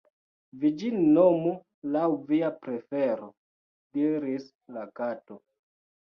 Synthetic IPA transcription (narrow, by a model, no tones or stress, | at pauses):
vid͡ʒinomu | lawviapɾefeɾo | diɾis | lakato